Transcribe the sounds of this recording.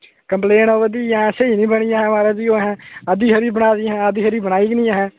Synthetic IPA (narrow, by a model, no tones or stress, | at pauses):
kəmpleːnoːʋəd̪iːãːsəiːnĩːbəɽijãːɦɛ̃maːɾaːd͡ʒiːoːɦɛ̃ːəd̪iːɦəɾiːbəñaːd̪iːɦɛ̃ːəd̪iːɦəɾiːbəñaːiːɡnĩːaɦɛ̃ː